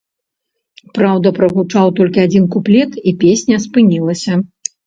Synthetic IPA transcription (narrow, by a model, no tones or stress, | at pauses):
pɾawd̪ɐpɾɐɣut͡ʂawt̪ɔlʲkʲiad͡zʲinkuplʲɛt̪ipʲesʲnʲɐspɨnʲilˠɐsʲɐ